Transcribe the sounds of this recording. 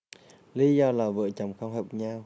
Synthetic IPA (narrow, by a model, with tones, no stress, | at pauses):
li˧˦zɔ˧laː˨˩vɨ̰˧˨ət͡ɕə˨˩ŋ͡mxə˧wŋ͡mɦəː˨˩p̚ɲaː˧w